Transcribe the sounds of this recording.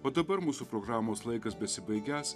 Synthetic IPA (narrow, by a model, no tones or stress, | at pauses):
oːd̪ɐbɐɾmuːsupɾoːɡɾɑːmoːslˠɐɪkɐsbʲɛsʲɪbɐɪɡʲæːs